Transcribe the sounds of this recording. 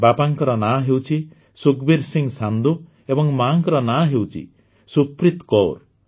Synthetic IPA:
bapaŋkɔɾɔnaɦewt͡ʃʰi | sukbiɾsiŋsand̪u | ebɔŋmaŋkɔɾɔnaɦewt͡ʃʰḭ | supɾit̪kɔɾ

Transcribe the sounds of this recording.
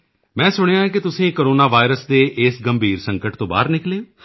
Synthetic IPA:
mɛ̃ːsʊɽ̃ejãːk̬ɪt̪ʊsĩːkoːɾoːnaːʋaːɪɾəsd̪eːʔɪsɡəmbʱiːɾsəŋkəʈt̪õːba̰ːɾnɪklẽː

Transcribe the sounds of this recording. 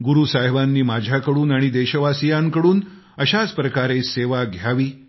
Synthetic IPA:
ɡuɾuːsajʋanːiːmad͡ʑʱjakəɽuːnaɽ̃id̪eɕəʋasijãŋkəɽuːn | əɕad͡zpɾəkaɾeseʋaɡʱjaʋiː

